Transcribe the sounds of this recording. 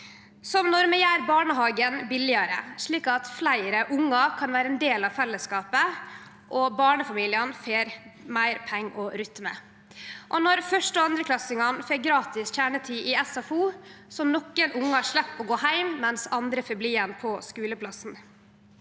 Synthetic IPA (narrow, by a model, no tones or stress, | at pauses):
sɔmnɔɾmɛjæːɾbɑːɳəɦɑːɡənbɪlɪɑɾə̰ʂɭiːkɑt̪flæɪɾəʔʊŋːɑkʰɑnʋæːɾəɛnd̪eːlɑʋfɛlːəskɑːpə | ʔɔbɑːɳəfɑmiːlɪənfeːɾmæɪɾpʰɛŋːʔɔɾʏt̪mə̰ | ʔɔnɔɾfœʂʈɔɑnd̪ɾəkʰlɑsɪŋɑnfeːɡɾɑːt̪ɪsçæːɳət̪ʰiːʔɪɛsɑfuːsɔmnɔkːənʔʊŋːəhɑʂɭɛpːɔɡoːhæɪmːɛnsɑnd̪ɾəfœbliːənpʰɔskʉːləpʰlɑsn